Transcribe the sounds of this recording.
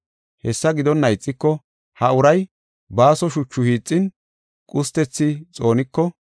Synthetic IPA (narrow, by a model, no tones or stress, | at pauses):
hɛsːɐɡɪd̪ɔnːɐjt͡sʼːɪkːɔ | hɐʊɾɐj | baːsɔʃʊt͡ʃːʊhiːt͡sʼːɪn | kʼʊst̪ɛt͡sːɪt͡sʼo̞ːnɪkːɔ